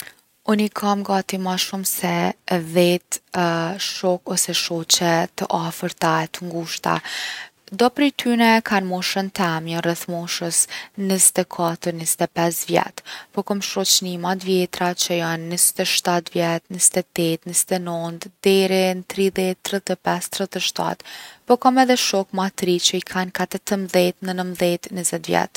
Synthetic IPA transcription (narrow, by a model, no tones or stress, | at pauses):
ɔnikʰamɡat̪imaʃumsɛvɛt̪ | ʃɔkɔsɛʃɔt͡ɕɛt̪əʔafəɾt̪aɛt̪əŋɡuʃt̪a̰ | d̪ɔpɾɛjt̪ʰynɛkʰanmɔʃənt̪ɛmjɔnrɛθmɔʃəsnəzɛt̪ɛkʰat̪əɾnəzɛt̪ɛpɛsvjɛ̰t̪pɔkɔmʃɔt͡ʃnimat̪vjɛt̪ɾat͡ʃəjanːəzɛt̪ɛʃt̪at̪vjɛt̪nəzɛt̪ɛt̪ɛt̪nəzɛt̪ɛnɔnd̪d̪ɛɾɛnt̪ɾiðɛt̪ːɾət̪ɛpɛst̪ɾət̪əʃt̪a̰t̪pɔkɔmɛðɛʃɔkmat̪ɾit͡ɕəikʰankat̪ɛt̪əmðɛt̪nənəmðɛt̪nəzɛt̪vjɛ̰t̪